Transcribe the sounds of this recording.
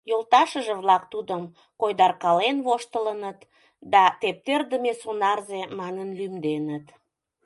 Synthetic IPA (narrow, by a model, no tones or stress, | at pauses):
jolˠt̪ɑʃəʒəβlɑkt̪ud̪əm | kojd̪ɑrkɑlenβoʃt̪ələnət̪ | d̪ɑt̪ep̚t̪erd̪əmesonɑrzemɑnənlymd̪enət̪